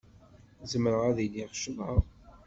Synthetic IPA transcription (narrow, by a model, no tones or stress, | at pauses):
zəməɾəʁæðilːiʁʃəməˤ